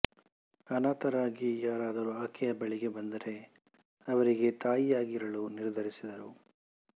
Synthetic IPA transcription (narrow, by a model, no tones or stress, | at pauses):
ɐnaːt̪ɐɾaːɡijaːɾaːd̪ɐɾuaːkʰɛjɐbɐɭiɡe̞bɐnd̪ɐɾe̞ | ɐʋɐɾiɡe̞t̪aːjijaːɡiɾɐɭuniɾd̪ʱɐɾisid̪ɐɾu